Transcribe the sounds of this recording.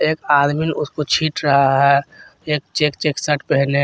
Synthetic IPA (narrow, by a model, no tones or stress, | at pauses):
eːkaːd̪mɪnʊskot͡ʃʰiːʈɾɐɦaɦɛeːk̚t͡ʃeːkt͡ʃeːksəʈpɛɦle